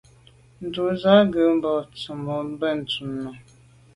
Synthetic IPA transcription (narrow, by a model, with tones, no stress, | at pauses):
n̩˨du˨za˦ɡə˨˦m̩˦bɔ˨t͡sə˨mɔ˨m˦bə˦˨n̩˨tu˨mnɔ˨